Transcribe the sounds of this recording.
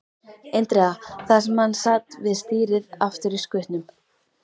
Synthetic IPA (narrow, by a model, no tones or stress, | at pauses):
ejnt̪ɾɛaθasɛmhanːsaːt̪vɪðst̪iːɾɪðaft̪ʏɾiskʏht̪nʏm